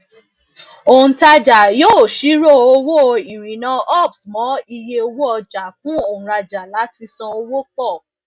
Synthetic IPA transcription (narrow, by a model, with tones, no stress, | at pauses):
o˨ũ˨ta˧d͡ʒa˨joː˦˨ʃi˨˦ɾo˦˨o˧wo˦˨˧ĩ˨ɾ̃ĩ˨nã˧ɔ˦˨bsmɔ̃˨˦i˧je˧o˧wo˦ɔ˧d͡ʒa˨fũ˦o˨ũ˨ɾa˧d͡ʒa˨la˨˦ti˧sɔ̃˧o˧wo˦k͡pɔ˦˨